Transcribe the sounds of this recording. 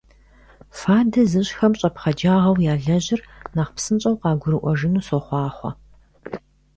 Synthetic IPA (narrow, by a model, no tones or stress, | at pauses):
faːdɐzɨɕxɐmɕʼɐpχɐd͡ʒaːʁɐwjaːɮɐʑɪrnaːχpsɨnt͡ʃʼɐwqɑːɡʷʊɾɨʔʷɔʒɪnuːsoχʷɑːχʷɔ̰